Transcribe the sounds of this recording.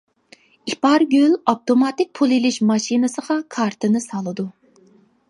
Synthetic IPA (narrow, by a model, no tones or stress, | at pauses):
ipʰɑɾɡʲølɑp̚t̪omɑt̪ɪk̚ʲpʰulˠilɪʃmɑʃinɨsəʁɑkʰɑɾt̪ʰɨnɨsɑlˠɨd̪u